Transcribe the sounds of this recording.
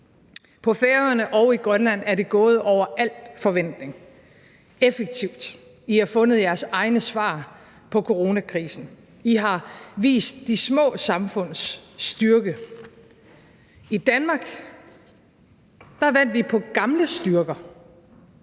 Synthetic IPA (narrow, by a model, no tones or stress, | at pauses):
pʰɒ̽feɐɐnəʔɒʊiɡ̥ʁɶnlæn̰æɐɾe̝ɡ̥ɔ̽ːð̞̩ˠɒʊ̰ɐʔæl̰fɒ̽ʋen̰d̥ne̝ŋ | efəɡ̥̚t͡sʰiʊ̰d̥ | ihɑ̈fɔ̽nð̞̩ˠjæɐsɑ̈ɪnəsʋɑ̰̈ː | pʰɒ̽kʰo̝ʁo̝ːnækʰʁiːsn̩ | iɦɑ̈ʋḭːsd̥ːismɔ̰̽ːsɑ̈mfɔ̽n̰sd̥yɐɡ̥ə | id̥ænmɑ̈ːɡ̥ | d̥ɑ̈ʋæn̰d̥ʋipʰɒ̽ɡ̥ɑ̈mləsd̥yɐɡ̥ɐ